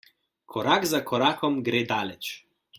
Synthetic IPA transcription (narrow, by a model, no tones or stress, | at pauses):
kʰɔɾaːkzakʰɔɾaːkɔmɡɾeːd̪aːlɛt͡ʃ